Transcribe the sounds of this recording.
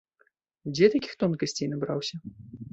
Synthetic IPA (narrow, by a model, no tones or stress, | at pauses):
d͡zʲɛt̪akʲi̥xt̪ɔnkɐsʲt͡sʲejnabɾawsʲɐ